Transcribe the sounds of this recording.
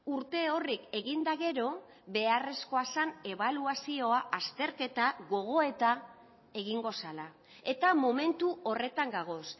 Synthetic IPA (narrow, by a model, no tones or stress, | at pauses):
uɾt̪e̞o̞rike̞ɣind̪aɣe̞ɾo̞ | βe̞are̞sko̞asane̞βaluasio̞aʔast̪e̞ɾke̞t̪aɣo̞ɣ̞o̞e̞t̪a | e̞ɣiŋɡo̞sala | e̞t̪amo̞me̞nt̪uo̞re̞t̪aŋɡaɣ̞o̞s